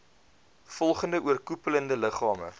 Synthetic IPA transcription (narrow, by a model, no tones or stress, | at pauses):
fɔlˠχəndəʔuərkupələndələχɑːmə̰